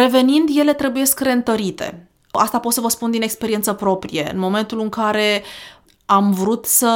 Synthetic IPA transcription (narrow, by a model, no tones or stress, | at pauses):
ɾe̞ve̞nind̪je̞le̞t̪ɾe̞bujeskre̞ɨnt̪əɾit̪e̞̰ | a̰st̪apo̞t̪səvəspund̪inekspe̞ɾie̞nt̪səpɾo̞pɾije̞ɨ̰nmo̞me̞nt̪ulɨŋkaɾe̞ | amvɾut̪sə